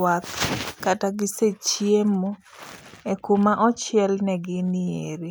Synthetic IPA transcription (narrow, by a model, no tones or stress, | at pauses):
at̪kataɡɪset͡ʃiemo | ekumaʔɔt͡ʃɪɛlnɛɡɪnɪeɾi